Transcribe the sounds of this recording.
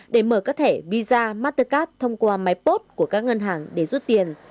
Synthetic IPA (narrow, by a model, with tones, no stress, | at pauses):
ɗe˧˩məː˧˩kaː˦˥t̪ʰe˧˩vi˧zaː˧maː˦˥t̪ə˧kaː˦˥t̚t̪ʰə˧wŋ͡mkwaː˧ma˨˦jjpo˦˥t̚ku˧˩əkaː˦˥k̚ŋə˧nɦaː˨˩ŋɗe˧˩zu˦˥t̚t̪i˨˩ən